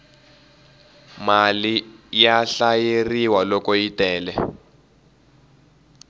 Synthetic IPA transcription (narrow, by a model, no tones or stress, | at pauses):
malijaɬajeriwalɔkɔitʼɛːlɛ